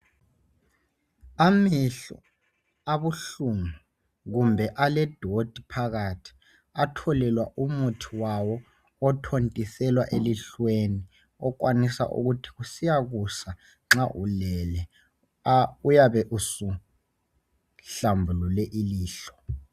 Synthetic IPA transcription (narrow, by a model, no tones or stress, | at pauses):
amiɬɔ̰ | aβuɬuŋu | ɣumbʱɛʔalɛd̥ʱod̥ʱipʰaɣatʰi̥ | atʰɔlɛlwaʔumutʰiwawɔː | tʰontʼisɛlwaʔeliɬweni | ɔk̬ʼwanisa̰ʔṵɣutʰi̥ɣusijaɣusa | ŋ͡ǁaʔulɛlɛ | ujaβɛʔusu | ɬambʱululɛʔiliːɬɔ̥